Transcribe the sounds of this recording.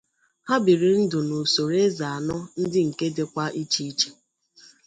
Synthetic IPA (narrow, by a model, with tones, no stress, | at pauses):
ha˦bi˨ɾi˨n̩˦dʊ˨no˨so˨ɾe˦za˨a˨nɔ˦n̩˦dɪ˦ŋ̩˨ke˦de˦kʷa˦ʔi˦t͡ʃi˦i˦t͡ʃe̥˨